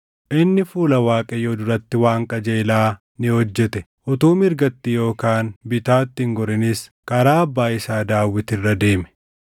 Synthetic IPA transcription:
ʔɪnːɪfuːlɐwaːkʼɛjod̪ʊɾɐt̪ːɪwaːŋkʼɐd͡ʒeːlaː | nɪhɔd͡ʒːɛt̪ɛ | ʔɔt̪uːmɪɾɡɐt̪ːɪjo̞ːkaːnbɪt̪aːt̪ːɪŋɡɔɾɪnɪskɐɾaːɐbːaːɪsaːd̪aːwːɪt̪ɪrːɐd̪e̞ːmɛ̥

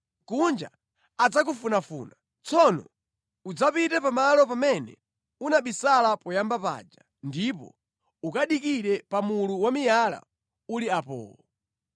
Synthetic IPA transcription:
kund͡ʒa̰ | ad͡zak̬ufunafṵːna | t͡sɔnɔ̰ | ud͡zapitɛpamalɔpamɛnɛ̰ | unaɓisalapɔjambapa̰d͡ʒa | ndipɔ̰ | ukaɗikiɾɛpamuluwamijala̰ | uliapɔ̰ːlɔ

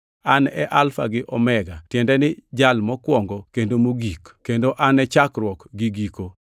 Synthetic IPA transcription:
anɛʔalfa̰ɡɪʔɔmɛɡatjɛndɛnɪd͡ʒalmɔkwɔŋɡokendomoɡikkendoʔanɛt͡ʃakɾwɔkɡiɡiko

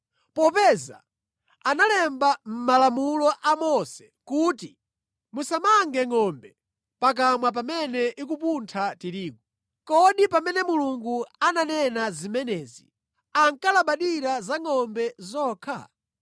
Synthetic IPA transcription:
pɔpɛza̰ | analɛmbam̩malamulɔʔamɔsɛ̥ | kuːti | musamaŋɡɛŋɔmbɛ | pak̬amwap̬amɛnɛʔik̬upuntʰatiɾiːku | kɔɗipamɛnɛmuluŋɡuananɛnazimɛnɛːzi | aŋkalaɓaɗiɾazaŋɔmbɛzɔːkʰa̰

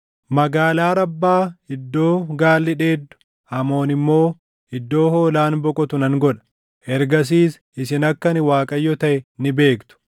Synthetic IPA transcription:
mɐɡaːlaːɾɐbːaːhɪd̪ːo̞ːɡaːlːɪᶑe̞ːd̪ːʊ̥ | ɐmo̞ːnɪmːo̞ː | hɪd̪ːo̞ːho̞ːlaːnbɔkʼɔt̪ʊnɐŋɡɔᶑɐ̥ | ʔɛɾɡɐs̬iːs | ɪsɪnɐkːɐnɪwaːkʼɐjːɔt̪ɐʔɛnɪbe̞ːkt̪ʊ̥

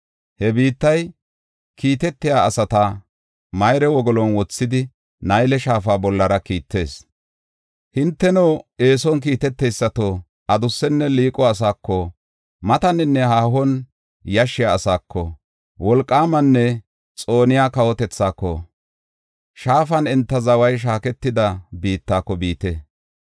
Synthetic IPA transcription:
hɛbiːt̪ːɐj | kʰiːt̪ɛt̪ːɪjaːɐsɐt̪ɐ | mɐjɾɛwɔɡɔlɔnwɔt͡sːɪd̪ɪ | nɐjlɛʃaːfaːbɔlːɐɾɐkiːt̪ːe̞ːs | hɪnt̪ːɛnowe̞ːsɔnk̬iːt̪ɛt̪ːɛjsːɐt̪o | ʔɐd̪ʊsːɛnːɛliːkʼɔɐs̬aːkːɔ | mɐt̪ɐnɪnːɛhaːhɔn | jɐʃɪjaːsaːkʰːɔ | wɔlkʼːaːmɐnːɛ | t͡sʼo̞ːnɪjaːkɐwɔt̪ɛt͡sːaːkːɔ̰ | ʃaːfɐnɛnt̪ːɐzɐwɐjʃ̬aːkɛt̪ːɪd̪ɐbiːt̪ːaːkːɔbiːt̪eː

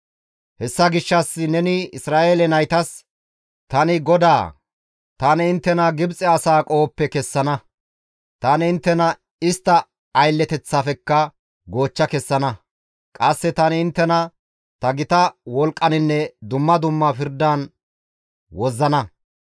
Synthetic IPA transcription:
hɛsːɐɡɪʃːɐsːɪnɛnɪɪsɾaːʔeːlɛnɐjt̪ɐs | t̪ɐnɪɡɔd̪aː | t̪ɐnɪɪnt̪ːɛnɐɡɪbt͡sʼɛɐsaːkʼo̞ːpːɛkɛsːɐnɐ | t̪ɐnɪɪnt̪ːɛnɐ | ɪst̪ːɐː | jlːɛt̪ɛt͡sːaːfɛkːɐ | ɡo̞ːt͡ʃːɐkɛsːɐnɐ | kʼɐsːɛt̪ɐnɪɪnt̪ːɛnɐ | t̪ɐɡɪt̪ɐwɔlkʼːɐnɪnːɛd̪ʊmːɐd̪ʊmːɐfɪɾd̪ɐːn | wɔzːɐnɐ

